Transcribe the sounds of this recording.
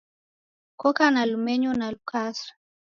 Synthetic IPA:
kɔkanalumɛɲunalukʰasɾḁ

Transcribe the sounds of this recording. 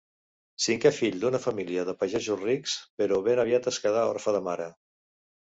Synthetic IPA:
siŋkɛfiʎd̪unəfəmiliəðəpaʒɛzusrikspəɾɔβenəβiat̪əskaðaɔ̰ɾfəðəmaɾə

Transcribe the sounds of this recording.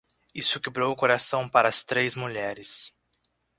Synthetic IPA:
isʊkebɾowʊkoɾasɐ̃w̃paɾɐːst̪ɾezmuʎɛɾɪs

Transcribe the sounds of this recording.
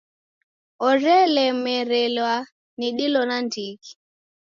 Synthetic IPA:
ɔɾɛlɛmɛɾɛlwa | niɗilɔnandiki̥

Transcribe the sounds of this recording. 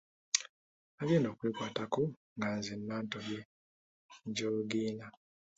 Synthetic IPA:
aβjeːno̞ːkwiːkwaːtaku | ŋɡanzimmaːntoβje | ɲɟoːluɡiːna

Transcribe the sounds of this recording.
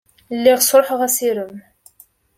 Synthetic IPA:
lːiʁsɾˤħəʁæsiɾəm

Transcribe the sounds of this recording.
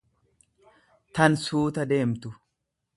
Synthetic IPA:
t̪ɐnsuːt̪ɐd̪e̞ːmt̪ʊ

